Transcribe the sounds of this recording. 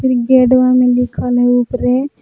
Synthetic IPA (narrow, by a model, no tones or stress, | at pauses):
pʰiɾɡeɖʋamẽlɪkʰəlɦɛupɾe